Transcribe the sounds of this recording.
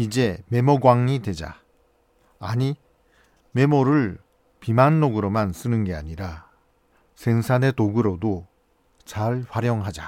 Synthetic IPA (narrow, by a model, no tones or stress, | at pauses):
id͡ʑe̞me̞mʌɡwaŋɲidwe̞d͡ʑa̰ | aɲi | me̞moɾɯɭ | pimanːoɡɯɾomans͈ɯnɯnɡe̞aɲiɾa | sʰeŋsʰane̞toɡɯɾodo | t͡ɕaɭɸwaɾjʌŋɦad͡ʑa